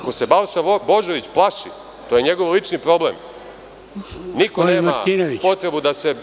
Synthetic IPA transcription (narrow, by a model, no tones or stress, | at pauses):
ko̞se̞balʃabo̞ʒoʋit͡ɕplˠaʃi | t̪o̞ːje̞ɲe̞ɡo̞ʋlit͡ʃnipɾo̞blḛm | nikoneːmma̰inoʋit͡ɕpo̞t̪ɾe̞bud̪ase̞